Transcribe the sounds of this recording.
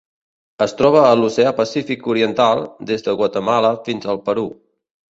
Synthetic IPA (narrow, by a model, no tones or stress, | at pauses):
əst̪ɾɔβ̞əːluseəpəsifikuɾiənt̪alˠd̪ezðəɣwət̪əmaləfinzəlˠpəɾu